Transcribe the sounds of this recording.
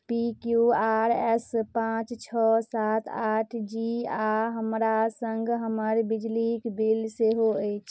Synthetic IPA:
pikjuaɾɛspãt͡ʃt͡ʃʰɔsat̪ʰaʈʰd͡ʒiaɦəmɾasəŋɡɦəməɾbid͡ʒlikbilseɦoəjt͡ʃʰ

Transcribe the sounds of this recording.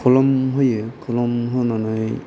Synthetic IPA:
kʰɔlɔmɦɯjɯkʰɔlɔmɦɯnanɯj

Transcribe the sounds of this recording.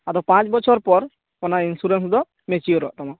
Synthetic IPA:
ad̪ɔwpãt͡ʃbɔt͡ʃʰɔɾpɔɾ | ɔnainsuɾens̬d̪ɔ | met͡ʃijɔɾɔʔt̪ɔmaʔ

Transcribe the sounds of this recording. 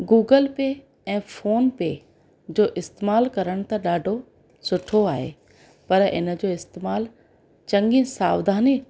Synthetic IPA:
ɡuːɡəlpe | ɛ̃ːfoːnpe | d͡ʑoːʔɪst̪eːmaːlkɐɾəɽ̃t̪ɐɗaːɖʱo | sʊʈʰoaːɦḛ | pɐɾɪ̰nə̆d͡ʑoːɪst̪eːmaːl | t͡ɕɐ̃ŋɡĩsaːʋd̪ʱaːni

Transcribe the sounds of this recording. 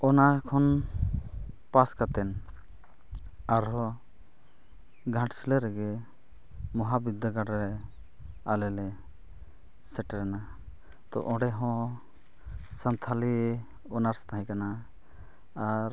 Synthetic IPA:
ɔnakʰɔn | paskat̪ɛn | aɾɦɔ̃ | ɡʱãʈslɛɾɛɡɛ | mɔɦabid̪ʱaɡaɖɾɛ | alɛlɛ | sɛʈɛɾɛna | t̪ɔ̰ʔɔ̃ɖɛɦɔ̃ | sant̪ʰali | ɔnaɾst̪aɦɛ̃kanaː | ɾ

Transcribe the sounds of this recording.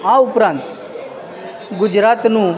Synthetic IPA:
aupɾãnt̪ | ɡʊd͡ʑɾat̪nũ

